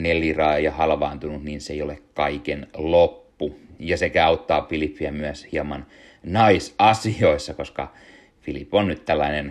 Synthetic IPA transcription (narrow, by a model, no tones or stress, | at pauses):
nelirɑːjɑhɑlʋɑːnt̪unut̪niːnseijolekkɑikenlopːujɑsekæɑut̪ːɑːfilipːiæmyæshiɑmɑn | nɑisɑsioisːɑkoskɑ̰ | filipːˑonnyt̪t̪ælːɑinen